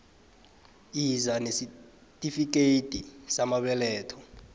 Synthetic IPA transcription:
izanesi | tʼifik̬etʼisamaɓɛlɛːtʰɔ

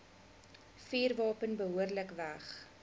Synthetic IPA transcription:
fiːrvɑːpənbəɦuərləkvæχ

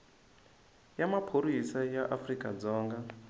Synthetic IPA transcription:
jamapʰoɾisajaʔafrikʼad͡zɔːŋɡa

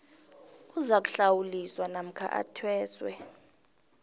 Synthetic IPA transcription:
uzak̬u̥ɬawuliswanam̩kʰa̰ʔa̰tʰwɛːswɛ̰

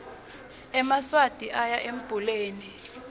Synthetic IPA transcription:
ɛmaswad̥ʼʱiʔajaʔem̩b̥ʱuleːni

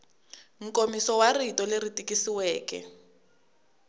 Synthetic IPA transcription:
ŋ̩komisɔwaritɔleritʼikʼisiwɛːkɛ̰

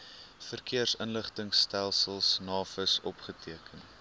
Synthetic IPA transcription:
fərkiərsənləχtəŋstælˠsəlˠsnɑːfəsɔpχətʰiəkən

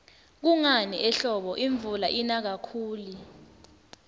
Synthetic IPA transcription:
k̬uŋaniʔɛɬɔɓɔʔiɱbvulaʔinak̬akʰuːli

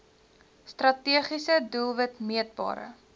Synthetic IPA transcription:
strɐtiəχisədulˠvətmiət̚bɑ̰ːɾə̰

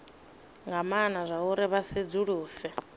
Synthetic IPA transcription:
ŋɡamanazʷauɾɪβased͡zuɺuːsɛ

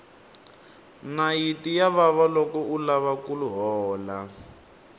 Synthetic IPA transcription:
najitijaβaβalɔkɔulaβakuluɦɔːla

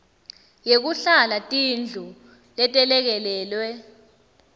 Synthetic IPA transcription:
jek̬uɬalatʼind͡ɮʱu | lɛtʼɛlɛk̬ɛlɛːlwɛ

